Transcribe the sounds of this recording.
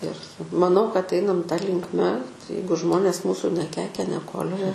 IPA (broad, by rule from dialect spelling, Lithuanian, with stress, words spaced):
ɪr mɐˈnɐʊ kɐt ˈɛɪnɐm tɐ lʲɪŋkˈmʲɛ ˈjɛɪɡʊ ˈʒmoːnʲeːs ˈmuːsʊ nʲɛˈkʲɛɪkʲɛ nʲɛˈkoːlʲoːjɛ